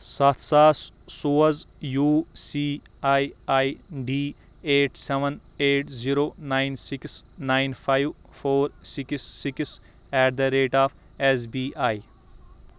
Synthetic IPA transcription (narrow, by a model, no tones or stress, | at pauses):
sɐt̪ʰsaːssuːɐzjuːsiː | aːiaːiɖiː | eːʈseʋən | eːʈziɾoːnaːɪnsiksnaːɪnpʰaːjʋ | pʰoːɾsiksːiks | ɛːʈd̪ɐɾeːʈaːpʰ | es̬biːʔaːi